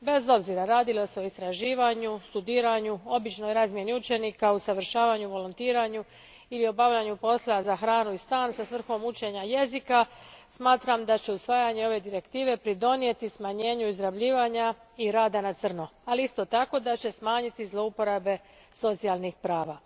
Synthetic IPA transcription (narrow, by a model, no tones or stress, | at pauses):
be̞zo̞bziɾaɾaːd̪ilo̞se̞o̞ist̪ɾaʒiːʋaɲust̪ud̪iːɾaɲuo̞bit͡ʃno̞jɾazmje̞niut͡ʃe̞nikausaʋr̩ʃaːʋaɲuʋo̞lont̪iːɾaɲu | ilio̞baʋʎaɲupo̞slˠazaxɾaːnuist̪aːnsasʋr̩xo̞mut͡ɕe̞ɲaje̞zikasmaːt̪ɾamd̪at͡ɕe̞usʋaːjaɲe̞o̞ʋe̞d̪iɾe̞kt̪iːʋe̞pɾid̪o̞nije̞t̪ismaɲe̞ːɲuizɾabʎiːʋaɲaiɾaːd̪anat̪sr̩noaliist̪o̞t̪ako̞d̪at͡ɕe̞smaːɲit̪izlo̞upo̞ɾabe̞ | so̞t̪sialnixpɾaːʋa